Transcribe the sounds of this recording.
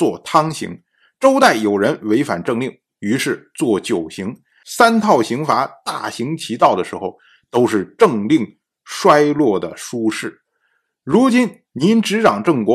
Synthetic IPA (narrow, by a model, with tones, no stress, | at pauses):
t͡swɔ˥˩t̪ʰɑ˥ŋɕḭ˧˥ŋ | ʈ͡ʂo˥ʊt̪a˥˩ɪjo˨˩ʊɻə˧˥nwe˧˥ɪfa̰˨˩nʈ͡ʂɤ˥˧ŋli˥˩ŋ | y˧˥ʂɻ̩˥˧t͡swɔ˥˩t͡ɕjo˨˩ʊɕi˧˥ŋ | sa˥nt̪ʰɑ˥˩ʊɕi˧˥ŋfa˧˥t̪a˥˩ɕi˧˥ŋt͡ɕʰi˧˥t̪ɑ˥˩ʊd̪ə˩ʂɻ̩˧˥xo˧ʊ | t̪o˥ʊʂɻ̩˥˧ʈ͡ʂɤ˥˧ŋli˥˩ŋ | ʂwa˥ɪlwɔ˥˩d̪ə˩ʂu˥ʂɻ̩˥˩ | ɻu˧˥t͡ɕi˥n | ni˧˥nʈ͡ʂɻ̩˧˥ʈ͡ʂɑ˨˩ŋʈ͡ʂɤ˥˩ŋkwɔ˧˥